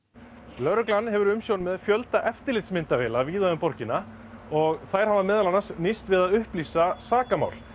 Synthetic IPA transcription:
lœɾʏklanːhɛvʏɾʏmsjoːwnmɛðfjœlt̪aʔɛft̪ɪɾlɪt̪smɪnt̪avɛːlaviːðaðʏmpɔɾcɪnːa | ɔɣθajɾ̥havamɛːðalanasnɪst̪vɪðaðʏhpliːsasaːkama̰ːwl

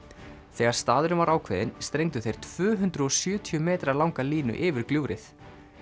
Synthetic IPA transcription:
θɛːɣaɾ̥st̪aːðʏɾʏmvaɾaːwkʰvɛ̰ðɪnst̪ɾejŋt̪ʏθejɾ̥t̪ʰv̥ʏːɦʉnt̪ɾʏɔsjœːt̪ʰiʏmɛːt̪ɾalawŋkaliːnʏ̰ʔɪːvɪɾ̥kljuːwɾɪθ

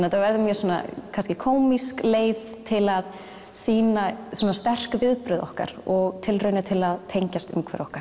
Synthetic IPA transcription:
nɛt̪ːaɾvɛɾðʏmjœɾsuːna̰kʰanscɪkʰoːwmiskleːjð | t̪ʰɪlað | siːnasɔːnast̪ɛr̥kvɪðpɾʏðɔhka̰ɾ̥ɔɣt̪ʰɪlrœɥnɪt̪ʰɪlaðt̪ʰejɲcast̪ʏ̰mkʰvɛ̰ɾɔhkaɾ̥

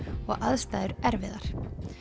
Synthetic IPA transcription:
ɔɣʔaðst̪ajðʏɾɛɾvɪðaɾ̥

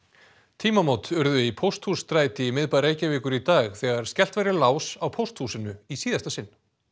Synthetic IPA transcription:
t̪ʰiːmamowt̪ʏɾðʏipʰowst̪huːst̪ɾaːjt̪ɪimɪðpaɾeːjcavɪːkʏɾit̪aːɣθɛɣaɾ̥scɛl̥t̪vajɾɪlaːwsawpʰowst̪huːsɪnʏisiːðast̪asɪnː

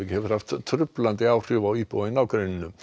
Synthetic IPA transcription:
ɪkhɛvɾ̥haft̪ʰːɾʏplant̪ɪaːwr̥ʏːvaipɔwɪnawkɾœɥnɪnʏ

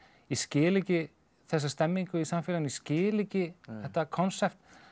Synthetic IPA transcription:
iscɪːlɪcɪ | θɛs̬ːast̪ɛmːiŋkʏisamfɪlaniscɪːlɪcɪɛht̪akʰɔnsɛpt̪

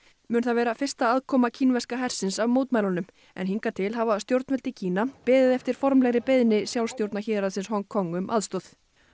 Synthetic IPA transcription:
mʏːnθaðvɛːɾafɪr̥st̪aaːðkʰɔːmacʰinvɛskaɦɛr̥sɪnsavmowt̪majlanʏm | ɛ̰nɦiŋkat̪ʰɪlɦavast̪jowɾt̪nɛlt̪ɪcʰiːnapɪːðɪðɛft̪ɪɾ̥fɔɾmlɛɣɾɪpeðnɪsjawlst̪jowɾt̪naçɪːðɾasɪnshɔŋkʰːɔŋːʏmʔa̰ðst̪ɔθ

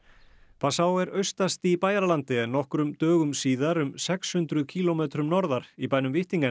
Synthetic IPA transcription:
pʰasaːwɛɾœɥst̪ast̪ɪːpaːjaɾalant̪ɪɛnːɔhkɾʏmt̪œːɣʏmsiːðaɾʏmsɛkshʏnt̪ɾʏcʰiːlomɛːt̪ɾʏmnɔɾðaɾ̥ipajnʏmvɪht̪iŋka

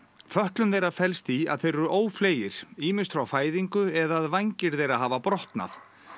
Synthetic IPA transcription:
fœht̪lʏnθejɾafɛlst̪ia̰ðθejɾʏʔoːwfleːjɪɾ̥iːmɪst̪fɾawfaːjðiŋkʏɛðaðvajɲcɪɾθejɾaɦaːvapɾɔht̪na̰θ

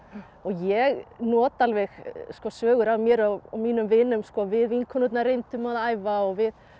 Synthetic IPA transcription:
ɔɣjɛɣnɔːt̪alvɛxskɔsœːɣʏɾawmjɛɾaa̰miːnʏmvɪnʏmskɔvɪðvinkʰɔnʏt̪naɾejnt̪ʏmaðaːjvaɔɣvɪð

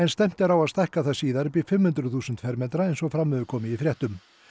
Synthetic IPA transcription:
ɛnst̪ɛm̥t̪ɪɾawaðst̪ajhkaðθaðsiːðaɾʏpɪfɪmːhʏnt̪ɾʏθuːsʏnt̪fɛɾmɛnt̪ɾaejnsɔɣfɾamːɛðʏkʰɔːmɪifɾjɛht̪ʏm

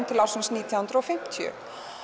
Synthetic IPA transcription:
nt̪ʰɪlawsɪnsniːt̪ʰjahʏnt̪ɾɔfɪm̥t̪ʰjʏ̰

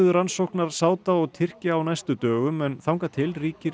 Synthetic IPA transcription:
ðʏɾansowhknaɾ̥saːwt̪aɔɣt̪ʰɪr̥caːwnajst̪ʏt̪œːɣʏmɛnθawŋkat̪ʰɪlriːcɪɾ

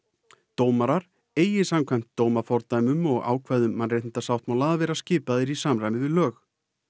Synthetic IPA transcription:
t̪oːwmaɾaɾ | eːjɪsamkʰvajm̥t̪ːoːwmafɔɾt̪ajmʏmɔɣa̰ːwkʰvaðʏmːanrejt̪nɪnt̪asawt̪mawlaːðavɛːɾascɪːpaðɪɾisaːmɾajmɪvɪlœːx

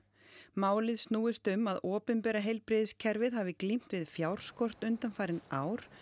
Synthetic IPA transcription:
maːwlɪðsnuːɪst̪ʏmːaðɔːpʏnpɛːɾaɦejlpɾɪðɪscʰɛɾvɪðɦavɪklim̥t̪vɪðfjawɾ̥skɔr̥t̪ʏnt̪anfaːjɾɪnaːwɾ̥

